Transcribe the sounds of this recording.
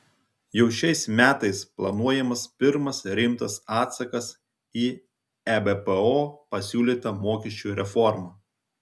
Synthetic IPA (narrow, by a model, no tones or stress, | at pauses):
jɛʊʃʲɛɪsmʲæːt̪ɐɪsplˠɐnuɔjɛmɐspʲɪɾmɐsɾʲɪmt̪ɐsɑːt̪sɐkɐs | iː | æbɛpɛoːpɐsʲuːlʲiːt̪ɐmoːkʲɛʃʲt͡ʃʲuɾʲɛfɔɾmɑː